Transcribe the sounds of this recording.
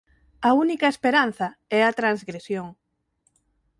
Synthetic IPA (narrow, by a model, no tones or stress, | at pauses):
ɐunikɐespeɾan̟θɐɛɐt̪ɾanzɣɾesjoŋ